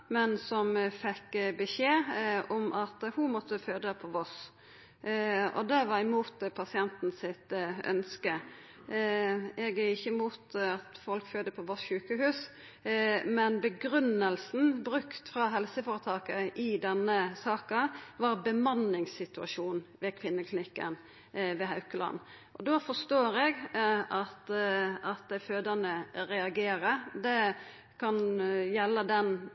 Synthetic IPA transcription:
mɛnsɔmfɛkbəʃeːɔmʔɑt̪hʊmɔt̪ːəføːd̪əpʰɔʋɔs | ɔ̰d̪ɛʋɑɾɪmuːt̪pʰɑsɪɛnt̪n̩sɪt̪œ̰nskə | ɛɡæɪçːəmuːt̪ɑt̪fɔlkføːd̪əpʰɔʋɔsɕʉːkəhʉːs | mɛnbəɡɾʉnəlsn̩bɾʉkt̪fɾɑːɦɛlsəfoːɾət̪ʰɑːkəʔɪd̪ɛnːəsɑːkɑʋɑɾbəmɑnːɪŋsɪt̪ʉɑ̰ʃuːnʋɛkʰʋɪnːəklɪnɪkːə̰n | ʋɛɦɑʉkəlɑ̰nː | ʔɔd̪ofɔst̪oːɾɛɡɑt̪ɑt̪̚d̪æɪføːd̪ənəɾɛɑɡeːɾəɾd̪ɛ | kʰɑnjɛlːəd̪ɛn

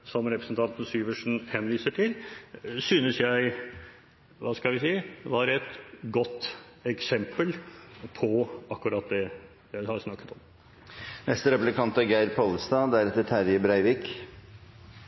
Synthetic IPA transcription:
sɔmɾɛpɾəsnt̪ʰɑnt̪ən̩syːʋəʂɳ̩hɛnʋiːsəʈʰɪlsyːnəsjæɪ | ʋɑskɑlʋɪsiːəʋɑːɾɛt̪ɡɔt̪ː | ɛksɛmpəlpʰɔɑkːʉɾɑt̪̚d̪ɛ | jæɪhɑɾsnɑkːə̥t̪ɔm | nɛst̪əɾɛpʉlkʰɑnt̪æɾɡæɪɾpʰolst̪ɑːd̪æɾɛt̪ːəʈ̪ʰæɾjəbɾæɪʋɪk

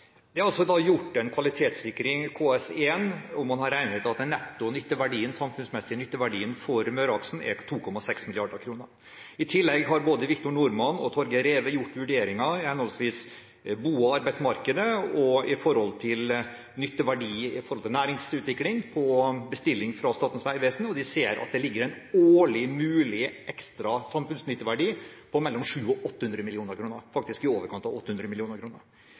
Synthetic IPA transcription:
d̪ɛɑɾɑlsɔd̪ɑjʊʈːɛnkʰʋɑlɪt̪ʰeːt̪sɪkɾɪŋkʰoːɛseːnɔmːɑnhɑɾæɪnhət̪ɑt̪nːɛt̪ːʊnʏt̪ːəʋæɖiːənsɑmfʉnsmɛsːɪnʏt̪ːəʋæɖiːənfɔɾmøːɾɑksn̩ɛ̰t̪ʰuːkʰɔmɑsɛksmɪlɪɑɖəkʰɾuːnəɾ | ɪt̪ʰɪlːɛɡɦɑɾboːd̪əʋɪkt̪ʊɳʊɾmɑnɔ̰t̪ʰɔɾɡəɾeːʋəjʊʈːʋʉɖeːɾɪŋɑɪhɛnɔlsʋiːs | buːɔɑɾbæɪd̪smɑɾkəd̪əɔɪfɔɾhɔlt̪ʰɪl | nʏt̪ːəʋæɖiːɪfɔɾhɔlt̪ʰɪlnæːɾɪŋsʉːt̪ʋɪklɪŋpʰɔbəst̪ɪlːɪŋfɾɑst̪ɑːt̪n̩sʋæɪʋɛːsnɔd̪ɪseːɾʔɑ̰t̪̚d̪ɛlɪɡːəɾæɪn | oːɭɪmʉːlɪʔɛkst̪ɾɑsɑmfʉnsnʏt̪ːəʋæɖiːpʰɔmɛlːɔmʂʉːɔʔɔt̪ːəhʉnd̪ɾəmɪlɪuːnəɾkʰɾuːnəɾfɑk̚t̪ɪskɪoːʋəɾkʰɑnt̪ɑʋɔt̪ːəhʉnd̪ɾəmɪlɪuːnəɾkʰɾuːnəɾ

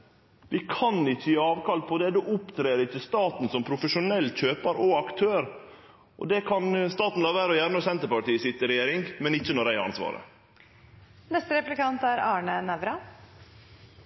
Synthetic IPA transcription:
d̪ɪkʰɑnɪçːəɑːʋkɑlt̪̚pʰɔd̪ɛd̪uːʔʊpt̪ʰɾeːɾəɪçːəst̪ɑːt̪n̩sɔmpʰɾʊfəʂʊnɛlːc͡çøːpɑɾɔɑkt̪ʰøːɾ | ʔɔ̰d̪ɛkʰɑnst̪ɑːt̪n̩lɑːʋæːɾəɔjæːɾənɔsɛnt̪əɾpɑʈiːəsɪt̪ɾɛjeːɾɪŋmɛnɪçːənɔɾæɪɑ̰nsʋɑ̰ːɾə̰ | nɛst̪əɾɛplɪkɑnt̪æɾɑːɳənæʋɾɑ

